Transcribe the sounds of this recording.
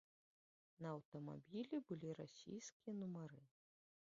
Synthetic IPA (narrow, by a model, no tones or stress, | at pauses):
nɐːwt̪ɐma̰bʲilʲibɨlʲiɾasʲḭjskʲijɐnumɐɾɨ